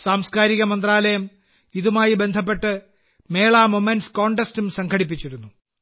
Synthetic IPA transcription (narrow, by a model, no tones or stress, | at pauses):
saːmskaːɾiɣɐmɐnd̪raːlɐjɐm | iðumaːjibe̞nd̪ʱɐp̬ːe̞ʈːɨ | me̞ːɭaːmomenɖsko̞ːɳʈestumsɐŋkʰɐɽip̬ːit͡ɕːiɾunːu